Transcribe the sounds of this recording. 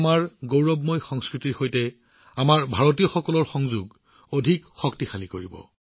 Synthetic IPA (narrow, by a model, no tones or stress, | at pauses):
maɹɡowɹɔbmojxɔŋskɹitiɹxojtɛ | amaɹbʱaɹɔtijɔxɔkɔlɔɹxɔŋzuɡ | odʱikxɔktixalikoɹibɔ̰